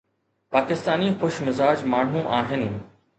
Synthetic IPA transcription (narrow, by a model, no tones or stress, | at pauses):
paːkɪst̪aːnixʊʃmɪzaːd͡ʒmaːɳ̤ũʔaːɦɪnɪ̆